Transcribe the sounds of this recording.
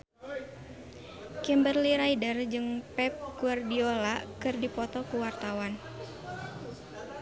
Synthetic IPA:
kɛmbərliɾaidərd͡ʒɨŋpɛp̚kuardiolakɨrdipɔt̪ɔkuwart̪awan

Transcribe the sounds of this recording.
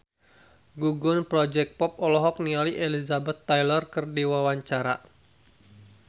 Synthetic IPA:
ɡuɡʊnpɾɔd͡ʒɛk̚pɔp̚ɔlɔɦɔk̚nialiʔelizabɛt̪ːajlɔrkɨrdiwawaɲt͡ʃaɾa̰

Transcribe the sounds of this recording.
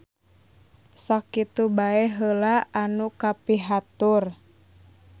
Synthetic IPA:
sakit̪ubaɛɦəlaanukapiɦat̪ʊr

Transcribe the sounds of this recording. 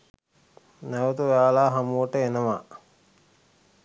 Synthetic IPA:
naʋət̪uʋaːlaːɦamuʈəenəʋa

